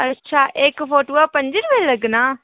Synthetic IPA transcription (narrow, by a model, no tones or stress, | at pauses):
ətːʃʰaːʔekpʰoːʈoːaːpəɲd͡ʒənʋeləɡnaː